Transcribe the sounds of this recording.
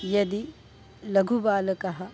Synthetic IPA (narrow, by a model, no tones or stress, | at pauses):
jɐd̪i | lɐɡʱubaːlɐkɐɦɐ